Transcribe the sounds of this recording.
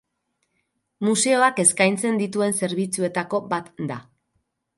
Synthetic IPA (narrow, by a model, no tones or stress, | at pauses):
muse̞o̞ake̞skajnt͡se̞nd̪it̪ue̞nse̞ɾβ̞it͡sue̞t̪ako̞bat̪d̪a